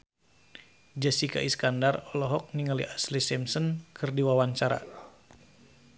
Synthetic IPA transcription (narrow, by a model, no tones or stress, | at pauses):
d͡ʒəsika̰ʔiskandarɔlɔɦɔk̚niŋalḭʔaslisɛmsənkʰɨrdiwawaɲt͡ʃaɾa̰